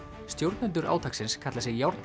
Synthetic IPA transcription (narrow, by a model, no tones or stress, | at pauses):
st̪jowɾt̪nʏnt̪ʏɾʔa̰ːwt̪ʰaksɪnskʰat̪lasɪɣjawɾt̪n